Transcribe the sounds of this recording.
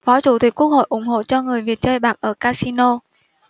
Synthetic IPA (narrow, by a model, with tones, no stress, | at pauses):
fɔ˨˦t͡ɕu˧˩t̪i˨˩k̟̚ku˦˥ək̚ho̰˧˨jʔʊ˧˩ŋ͡mɦo̰˧˨t͡ɕɔ˧ŋɨ˨˩əjvi˨˩ət̚t͡ɕəː˧jɓaː˨˩k̚ʔəː˧˩kaː˧si˧no˧